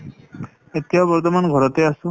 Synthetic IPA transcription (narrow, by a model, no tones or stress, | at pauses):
et̪ːiabɔɾt̪omanɡʱɔɾɔt̪easu